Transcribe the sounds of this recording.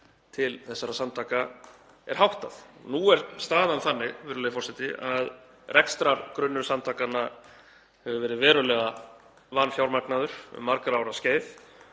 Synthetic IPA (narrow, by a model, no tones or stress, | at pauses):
t̪ʰɪlθɛsːaɾasant̪ʰaːka | ɛ̰ɾ̥ɦawht̪aθnuɛɾ̥st̪aːðanθanːɪɣvɛːɾʏlɛɣɪfɔr̥sɛt̪ɪʔað | rʔɛkst̪ɾaɾkɾʏnːʏɾ̥sant̪ʰakanːa | hɛvʏvɛːɾɪðvɛːɾʏlɛːɣa | vanfjawɾmaknaðʏɾ̥ʏ̰mːaɾkɾawɾasceːjθ